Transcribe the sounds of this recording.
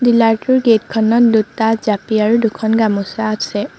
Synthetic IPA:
dilaɹtʊɹɡetkʰɔnɔt̚dutazapiaɹudukʰɔnɡamusaːsɛ

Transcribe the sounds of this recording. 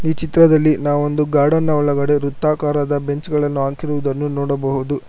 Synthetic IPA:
iːt͡ʃit̪ɾɐd̪ɐlːinaːʋond̪uɡaːɽɐnːɐɔɭɐɡɐɽe̞ɾut̪ːaːkaːɾɐd̪ɐbe̞ɲt͡ʃɡɐɭɐnːuaːŋkiɾuʋud̪ɐnːunɔːɽɐbɐɦud̪u

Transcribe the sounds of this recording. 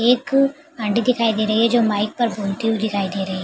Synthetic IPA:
eːk | ɐ̃ɳɖid̪ɪkʰaːid̪eɾɐɦiɦɛd͡ʒoːmaːɪk̚pɐɾbʱoːlt̪iud̪ɪkʰaːid̪eɾɐɦiɦ

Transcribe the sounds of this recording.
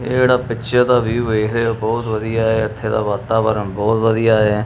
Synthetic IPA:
eːeːɽaːpɪʃʰət̪aːbiːʋeːkʰd̪eːoːbɔːt̪ʋəd̪ijaːeːət̪ʰːeːt̪a̰ːʋaːt̪aːbəɾəmbɔːt̪ʋəd̪ijaː

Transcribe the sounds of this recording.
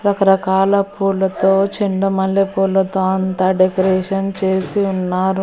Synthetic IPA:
ɾɐkɐɾɐkaːlɐpuːlːɐt̪oːt͡ʃiɳɖɐmɐlːepuːlːɐt̪o̞ːɐnt̪aːɖekɐɾɛːʂɐnt͡ʃe̞ːsiunːaːɾu

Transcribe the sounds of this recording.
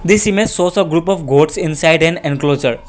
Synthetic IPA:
d̪isimesoːsəɡɾuːpɔfɡoːʈsɪ̃nsaɪɖɛ̃nɛ̃nkloːd͡ʒəɾ

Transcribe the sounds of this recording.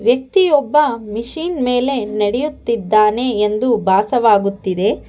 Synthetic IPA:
ʋjɐk̚t̪ijɔbːɐmiʂiːnme̞ːle̞nɐɽejut̪ːid̪ːaːne̞ːnd̪ubʱaːsɐʋaːɡut̪ːid̪e̞

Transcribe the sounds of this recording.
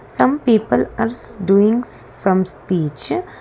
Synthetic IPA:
sʌ̃mpiːpəlaːɾsɖuːĩŋɡsʌ̃mspiːt͡ʃ

